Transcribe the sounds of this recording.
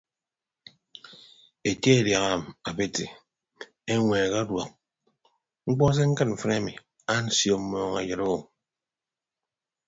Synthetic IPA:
e˨ke˦e˨dja˨ɣa˦˨m˨a˨be˦te˨ | e˦ŋʷeː˨ɣa˦dwa˨k̚ | ŋ͡m̩˦k͡pɔ˦s̬e˦ŋ̩˦kɨ˦t̚ɱ̩˨fɨ˦na˦mi˨ | a˦n̩˦sjo˦˨m̩˦mɔː˨˦ŋa̰˨jɨ˨ɾo˦˨ŋ

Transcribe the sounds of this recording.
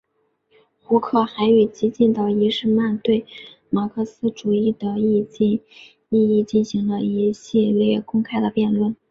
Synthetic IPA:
xu˧˥kʰɤ˥˩xa˧˥ɪy˨˩t͡ɕi˧˥t͡ɕi˥˩nd̪ə˩i˧˥ʂɻ̩˥˧ma˥˧nt̪we˥˩ɪma˨˩kʰɤ˥˩sɹ̩˥ʈ͡ʂu˨˩i˥˩d̪ə˩i˥˧t͡ɕi˥˧ | i˥˧i˥˧t͡ɕi˥˩nɕi˧˥ŋlə˧i˧˥ɕi˥˧ljɛ˥˧kʊ˥ŋkʰa˥ɪd̪ə˨pjɛ˥˧nlwə˥˩n

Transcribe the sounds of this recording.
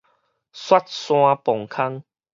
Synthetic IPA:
swa˦t̚sw̃ã˧pɔ˨˩ŋkʰa˦ŋ

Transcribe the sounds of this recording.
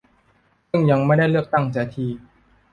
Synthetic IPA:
sɯ˥˩ŋja˧ŋma˥˩jda˥˩jlɯ˥˩ək̚t̪a˥˩ŋt͡ɕaː˨˩t̪ʰiː˧

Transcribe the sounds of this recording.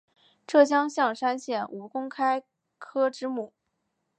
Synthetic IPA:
ʈ͡ʂɤ˥˩t͡ɕjɑ˥ŋɕjɑ˥˧ŋʂa˥nɕjɛ˥˩nu˧˥kʊ˥ŋkʰa˥ɪ | kʰɤ˥ʈ͡ʂɻ̩˥mu˨˩˦

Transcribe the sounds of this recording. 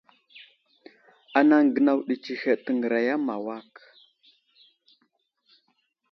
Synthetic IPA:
a˨na˦ŋ˨ɡə˨na˦wɗi˨t͡ʃi˨xe˨tə˨ŋɡə˨ɾa˨ja˦ma˨wa˦k

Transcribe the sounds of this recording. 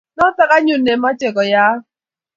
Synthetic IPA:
nɔ˦ta˦ka˦ɲʊ˨ne˨˦ma˦t͡ʃe˨kɔ˨ja˦

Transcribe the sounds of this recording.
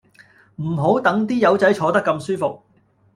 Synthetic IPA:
m̩˨˩ɦo˨˥wt̪ɐ˨˥ŋt̪̬iː˥jɐ˨˧wt͡sɐ˨˥jt͡ʃʰɔː˨˧t̪ɐ˥kːɐ˧msyː˥fʊ˨k̚

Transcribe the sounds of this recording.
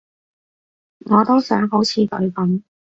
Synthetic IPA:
ŋɔː˨˧t̪o˥wsœː˨˥ŋɦo˨˥wt͡sʰiː˨˧k̪ɵ˨˧ɥkɐ˨˥n

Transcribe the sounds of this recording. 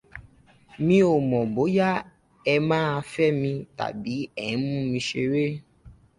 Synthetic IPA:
mĩ˧o˨mɔ̃˨bo˨˦ja˦ | ɛ˧mãː˦a˧fɛ˦mĩ˧ta̰˨bi˨˦ɛ˦˨ñ˨˦mũ˦mĩ˧ʃe˧ɾe˦

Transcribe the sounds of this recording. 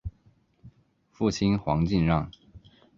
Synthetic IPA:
fu˥˩t͡ɕʰi˥nxwɑ̰˧˥ŋt͡ɕi˥˧nɻɑ˥˩ŋ

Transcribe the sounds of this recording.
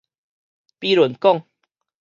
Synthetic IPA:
pi˦lə˨˦nkɔ˥˨ŋ

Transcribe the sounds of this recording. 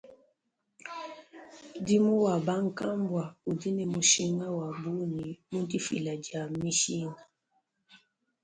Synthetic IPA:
di˦mu˦wa˨ba˦ŋ̩˨ka˦mbwa˨u˨di˦nɛ˨mu˨ʃi˦ŋa˦wa˨bu˦ni˨mu˦di˦fḭ˨la˨d͡ʒa˨mi˦ʃi˦ŋa˨

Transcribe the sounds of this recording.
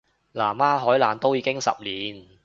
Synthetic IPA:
laː˨˩maː˥ɦɔː˨˥jlaː˨˩nt̪o˥wjiː˨˧kɪ˥ŋsɐ̰˨p̚liː˨n

